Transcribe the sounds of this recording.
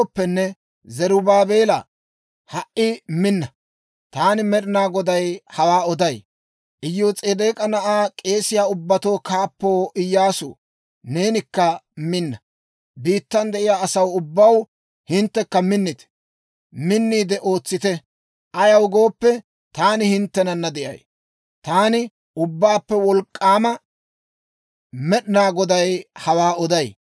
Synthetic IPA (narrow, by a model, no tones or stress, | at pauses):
pːɛnːɛ | zɛɾʊbaːbe̞ːlɐ̰ | hɐʔɪmɪnːɐ | t̪aːnɪmɛɗɪnaːɡɔd̪ɐjhɐwaːɔd̪ɐj | ʔɪjoːt͡sʼeːd̪eːkʼɐnɐʔaːkʼe̞ːsɪjaːʊbːɐt̪o̞ːkaːpːoːʔɪjːaːsʊ̰ː | ne̞ːnɪkːɐmɪnːɐ | biːt̪ːɐnd̪ɛʔɪjaːsɐwʊbːɐw | hɪnt̪ːɛkːɐmɪnːɪt̪ɛ̥ | mɪnːiːd̪ɛʔo̞ːt͡sːɪt̪ɛ | ʔɐjɐwɡo̞ːpːɛ | t̪aːnɪhɪnt̪ːɛnɐnːɐd̪ɪʔɐ̰j | t̪aːnɪ | ʊbːaːpːɛwɔlkʼːaːmɐ | mɛɗɪnaːɡɔd̪ɐjhɐwaːɔd̪ɐj